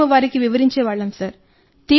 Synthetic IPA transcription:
ɐʋaːɾikːiʋiʋɐɾiɲt͡ʃeːʋaːɭːɐmsɐɾ | t̪iː

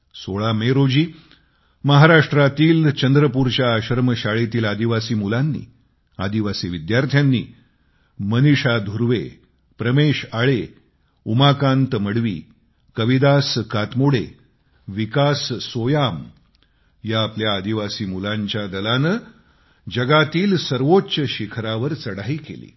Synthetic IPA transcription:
soɭameɾod͡ʑiː | məɦaɾaʂʈɾat̪iːlt͡ɕənd̪ɾəpuɾt͡ɕjaːɕəɾməɕaɭet̪iːlad̪iʋasiːmulanːḭː | ad̪iʋasiːʋid̪jaɾt̪ʰjanːḭː | məniʂad̪ʱuɾʋḛ | pɾəmeɕaɭe | umakãnt̪məɽʋḭː | kəʋid̪askat̪moɽḛ | ʋikassojam | jaːpljaːd̪iʋasiːmulaɲt͡ɕjad̪əlanə | d͡ʑəɡat̪iːlsəɾʋotːɕəɕikʰɾaʋəɾt͡səɽaiːkḛlḭː

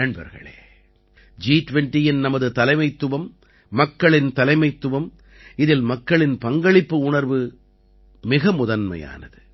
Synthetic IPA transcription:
ɐɳbɐ̰ɾɣɐ̰ɭḛː | d͡ʒiːʈʊʋɛɳʈijɪnnɐmɐðɯt̪ɐlɐɪmɐɪt̪ːɯʋɐmː | ɐkːɐɭɪnt̪ɐlɐɪmɐɪt̪ːɯʋɐm | ɪðɪlmɐkːɐɭɪnpɐŋɡɐɭɪpːɯʊɳɐɾʋɯ | mɪɣɐmʊðɐnmɐ̰ja̰ːnɐ̰ðɯ

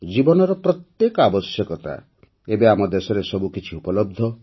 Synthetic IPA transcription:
d͡ʒibɔnɔɾɔpɾɔt̪jekɔabɔsjɔkɔt̪a̰ | ebeamɔd̪esɔɾesɔbukit͡ʃʰiupɔlɔb̚d̪ʱːɔ

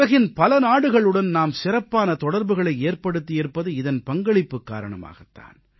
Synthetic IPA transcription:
ɐɣɪnpɐlɐnaːɽɯɣɐɭɯɽɐnnaːmsɪrɐpːaːnɐt̪ɔɽɐɾbɯɣɐɭɐɪeːrpɐɽɯt̪ːɪjɛɾpːɐðɯɪðɐnpɐŋɡɐɭɪpːɯkːa̰ːɾɐɳɐma̰ːɣɐt̪ːa̰ːn

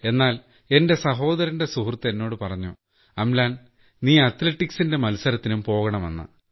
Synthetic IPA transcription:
e̞nːaːl | e̞nde̞sɐɦo̞ːd̪ɐɾɐnde̞suhrt̪ːe̞nːo̞ːɽɨpɐrɐɲːu | ɐmlaːn | niːɐt̪leʈːiksinde̞mɐlsɐɾɐt̪ːinumpo̞ːɣɐɳɐmḛnːɐ̰

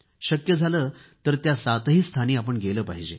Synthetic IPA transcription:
ɕəkjəd͡zʱaləːt̪əɾt̪jasat̪ɦiːst̪ʰaniːapəɳɡeləːpaɦid͡ʑe

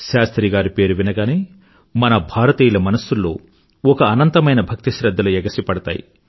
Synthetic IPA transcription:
ʃaːst̪ɾiːɡaːɾupe̞ːɾuʋinɐɡaːneː | mɐnɐbʱaːɾɐt̪iːjulɐmɐnɐsːulːo̞ː | ɔkɐːnɐnt̪ɐmɐjnɐbʱɐk̚t̪iʃɾɐd̪ːɐluɛɡɐsipɐɽɐt̪a̰ːjḭ

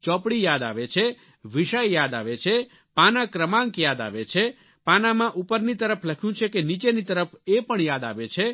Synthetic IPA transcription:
t͡ʃɔpɽijad̪a̰ʋet͡ʃʰe | ʋiʃajjad̪aʋet͡ʃʰe | panakɾəmãŋkjad̪a̰ʋet͡ʃʰe | panamãʔupəɾnit̪əɾəpʰləkʰjũt͡ʃʰekenit͡ʃenit̪əɾəpʰepəɳjad̪a̰ʋet͡ʃʰe

